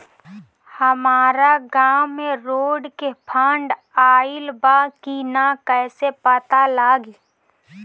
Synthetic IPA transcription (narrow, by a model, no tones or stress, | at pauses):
həmaːɾaɡaːmːeɾoːɖkepʰaːɳɖ | aːɪlbaːkinakɛːsepət̪alaːɡi